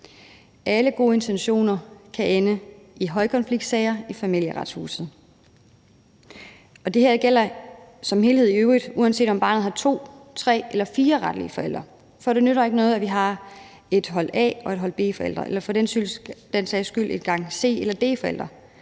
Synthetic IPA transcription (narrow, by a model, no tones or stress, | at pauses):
ʔæləɡ̥o̝ːe̝nt͡sʰenɕo̝̰ːnɐkʰæʔenə | iɦɒ̽ɪkʰɒ̽nfliɡ̥̚d̥sɛɪɐifæmil̰jəʁɑ̈d̥shṵːsð̞̩ˠ | ɒ̽d̥e̝heɐ̰ɡ̥el̰ɐsɒ̽mɦe̝ːlhe̝ð̞̰ˠiøʊʁid̥uːænse̝̰ːdɒ̽mb̥ɑ̈ːnð̩ˠhɑ̈t͡sʰo̝̰ːt͡sʰʁɛ̰ːelɐfiːɐʁɑ̈d̥lḭəfɒ̽el̰d̥ʁɐ | fɒ̽ɾ̥e̝nøɾɐe̝ɡ̥ənɔ̽ːð̞̩ˠæʋiɦɑ̈ | e̝d̥ɦɒ̽l̰ɛ̰ːɒ̽e̝d̥ɦɒ̽l̰b̥e̝̰ːfɒ̽el̰d̥ʁɐ̰ʔelɐfɒ̽d̥ensyld̥ensɛːsɡ̥yl̰ʔedɡ̥ɑ̈ŋ̰se̝̰ːelɐd̥e̝̰ːfɒ̽el̰d̥ʁɐ